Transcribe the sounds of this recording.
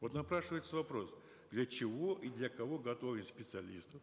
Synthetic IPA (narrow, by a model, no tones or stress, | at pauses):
vot̪nɐpɾaʂɨvəjɪt̪səvɐpɾo̞s | d̪lʲət͡ɕɪvo̞ʔid̪lʲɐkɐvo̞ɡɐt̪ovʲɪnspʲɪt̪sɨɐlʲist̪əf